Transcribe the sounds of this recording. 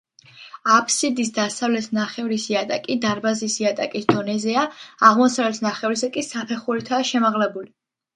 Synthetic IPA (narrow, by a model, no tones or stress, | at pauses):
apʰsid̪isd̪asavlɛt̪ʰnaχɛvɾisiat̪ʼakʼid̪aɾbazisiat̪ʼa̰kʼisd̪̥ɔnɛzɛaaʁmɔsavlɛt̪ʰnaχɛvɾisakʼisapʰɛχuɾit̪ʰaːʃɛmaʁlɛbuli